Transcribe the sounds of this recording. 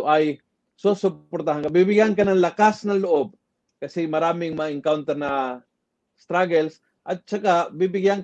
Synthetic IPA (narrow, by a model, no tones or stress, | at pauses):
ʔaj | sosʊppoɾt̪aɦaŋkabibɪɡankanaŋlakasnaŋlʊʔob̚ | kɐsimɐɾaːmɪŋmaɪŋkawnt̪ɛɾna | st̪ɾaɡɛls | ʔat̪̚t͡ʃakabibɪɡijan